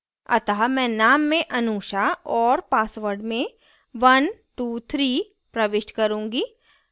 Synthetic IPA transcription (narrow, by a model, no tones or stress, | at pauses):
ɐ̰t̪əɦamɛ̃ːnaːmːẽʔɐnuːʃaɔːɾpaːsʋəɾɖmẽ | ʋɐnt̪uːt̪ʰɾiː | pɾɐʋɪʃkɐɾũːŋɡiː